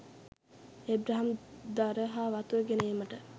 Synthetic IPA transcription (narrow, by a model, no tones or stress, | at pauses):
ebɾaɦamd̪aɾəɦaːʋat̪ueɡenəiːməʈə